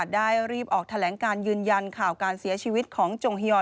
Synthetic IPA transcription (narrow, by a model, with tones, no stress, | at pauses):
t̪̚daː˥˩jɾiː˥˩p̚ʔɔː˨˩k̚t̪ʰa˧lɛː˩˦ŋkaː˧njɯː˧nja˧nkʰaː˨˩wkaː˧nsi˩˦ɐt͡ɕʰiː˧wi˦˥t̪̚kʰɔː˩˦ŋt͡ɕo˧ŋɦi˧ɔː˧˩